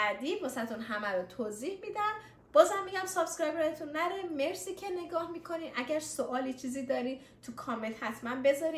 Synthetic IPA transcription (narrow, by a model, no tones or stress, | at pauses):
æd̪iːmosæt̪ʰunɦæmæɾot̪ʰoːziːhmid̪æn | b̥ɒːzæmːiɟæmsob̥skɾɒjbɾɒjet̪ʰunːæɾeme̞ɾsiːcʰene̞ɡɒːhmikʰo̞niːʔæɟæɾsoʔɒːlit͡ʃʰiːziːd̪ɒːɾiː | t̪ʰukʰɒme̞nt̪hæt̪ʰmæmbe̞zɒɾi